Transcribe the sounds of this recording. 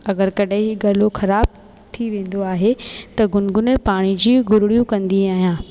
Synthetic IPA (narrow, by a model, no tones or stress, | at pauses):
ɐɡəɾkɐɗaɦɡɐːloxɐɾaːb̚ | t̪ʰiʋẽːnd̪oaːɦet̪ɐɡʊnɡʊnepaːɽ̃id͡ʑiːɡʊɾɪɽijũkɐ̃nd̪iaːɦijãː